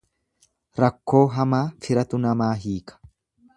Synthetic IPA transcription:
ɾɐkːo̞ːɦɐmaːfɪɾɐt̪ʊnɐmaːɦiːkɐ̥

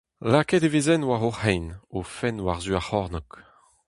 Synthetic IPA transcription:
lakɛt̪evezɛnwaʁoʁɛjnofɛnwaʁzyaʁɔʁnɔk

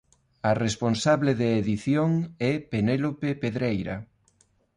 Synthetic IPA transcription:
ɐresponsaβleðeːðiθjoŋɛpenelopepeðɾejɾɐ̰

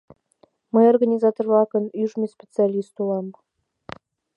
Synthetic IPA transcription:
məjorɣɑnʲizɑt̪orlɑkə̆nyʒmʲespʲet͡sɨɑlʲist̪ulɑm

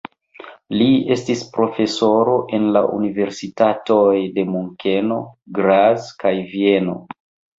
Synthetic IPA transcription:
lie̞stispɾo̞fe̞so̞ɾo̞ʔe̞nla̰ʔṵnive̞ɾsitatojde̞muŋke̞no̞ɡɾazkajvie̞no̞̰

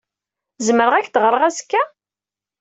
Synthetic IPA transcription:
zməɾəʁæçd̪ʁəɾˤəʁæskːæ

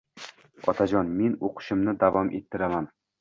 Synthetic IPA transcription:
ɒ̰t̪ʰad͡ʒɒnme̞noqʰɨ̥ʃɪmnɪd̪avɒmʔe̞t̪ʰːɪɾaman

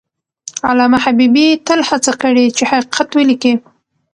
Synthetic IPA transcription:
a̰lamahabibit̪əlhat͡sakəɽit͡ʃeħaqiqʰat̪wəliki

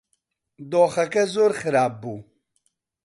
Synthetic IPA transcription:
d̪oːxɐkɐzoːɾxɨɾaːb̚ːu

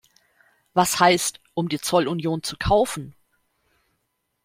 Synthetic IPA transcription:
vashaɪstʔʊmdiːt͡sɔlunjoːnt͡sukʰaʊfn̩

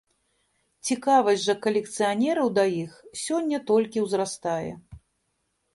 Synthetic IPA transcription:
t͡sʲikavɐzʲʐɐkɐlʲɛk̚t̪sɨjanʲɛɾɐwd̪ɐjixsʲɔnʲːɐt̪ɔlʲkʲiwzɾast̪ajɛ̰

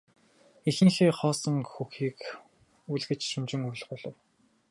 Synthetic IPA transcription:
ixɘ̆ŋxeːχɔːsə̆ŋxuxiːk | uɮɣɘ̆t͡ɕʃumt͡ɕɪ̆ŋuɮ̆χʊːɮɞ̰̆w

